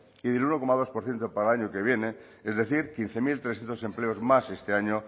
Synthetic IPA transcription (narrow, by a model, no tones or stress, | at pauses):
iðeluno̞komaðo̞spoɾθjent̪opaɾalaɲokeβ̞je̞ne | ezðeθiɾkin̟θe̞milt̪ɾesθjent̪ose̞mpleozmasest̪e̞aɲo